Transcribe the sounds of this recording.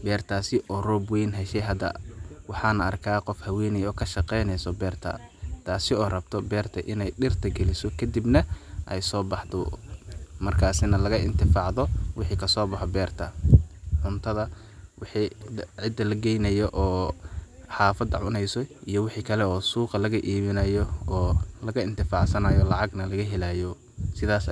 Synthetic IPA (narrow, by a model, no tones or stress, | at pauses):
bɛːrt̪ʰaːsɪʔɔːrɔbwɛjnɦɛʃɛjɦɐd̪ɐ̰wɑħɑːnɐɐ̰rkʰaːqɔfhɐwɛːnɛjɔːkʰɐʃɐqɛjnɛjsɔbɛːrt̪ʰɐ̰t̪ʰaːsɪɔːrɐbt̪ʰɔbɛːrt̪ʰɐʔɪnɛjɗɪrt̪ʰɐɡɛlɪsɔkʰɐd̪ibnɐʔɛjsɔːbɑħt̪ɔ | mɐrkʰaːsɪnɐlɐɣɐʔɪ̰nt̪ʰɪfɑːʕðɔwɪħiːkʰɐsɔːbɑħɔbɛːrt̪ʰɐʕʊnt̪ʰɐðɐ | wɪħiːʕɪd̪ːɐlɐɡɛjnɐjɔʔɔː | ħɑːfɐd̪ɐʕʊnɛjsɔijɔwɪħiːkʰɐlɛɔːsuːqɐlɐɣɐʔiːβɪnɐjɔɔːlɐɣɐɪnt̪ʰɪfɑːʕsɐnɐːjɔlɑʕɑɡnɐlɐɣɐɦɛlaːjɔ | sɪðaːs